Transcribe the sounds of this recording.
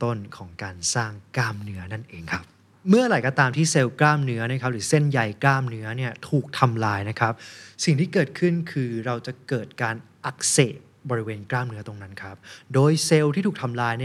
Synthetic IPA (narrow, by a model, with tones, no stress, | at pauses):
t̪o˥˩nkʰɔː˩˦ŋkaː˧nsaː˥˩ŋklaː˥˩mnɯ˦˥ɐna˥˩nʔeː˨˧ŋkʰa˦˥p̚ | mɯ˥˩ɐɾa˨˩˦jkɔ˧t̪aː˧mt̪ʰiː˥˩se˧wklaː˥˩mnɯ˦˥ɐna˥kʰa˦˥p̚ɾɯː˩˦se˥˩nja˧jklaː˥˩mnɯ˦˥ɐni˥˩ɐt̪ʰuː˨˩k̚t̪ʰa˧mlaː˧jna˦˥kʰa˦˥p̚si˨˩ŋt̪ʰiː˥˩kɤː˨˩t̪̚kʰɯ˥˩nkʰɯː˧ɾa˧wt͡ɕa˨˩kɤː˨˩t̪̚kaː˧nʔa˨˦˩k̚seː˨˩t̪̚bɔː˧ɾi˦˥weː˧nklaː˥˩mnɯ˦ɐt̪o˧ŋna˦˥nkʰɾa˦˥p̚doː˧jse˧wt̪ʰiː˥t̪ʰuː˨˩k̚t̪ʰa˧mlaː˧jni˥˩